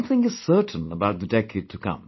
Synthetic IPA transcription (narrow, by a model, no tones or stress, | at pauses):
nθɪ̃ŋɨz̥sɜ˞ʔn̩əbaʊt̪̚ðɨdɛkeɪd̚tʰɨkʰʌ̰̃m